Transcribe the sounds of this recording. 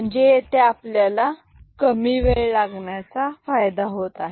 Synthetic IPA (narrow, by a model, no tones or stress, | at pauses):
əɳd͡zet̪eapljala | kəmiʋeɭlaɡɳjat͡safajd̪aɦot̪aɦe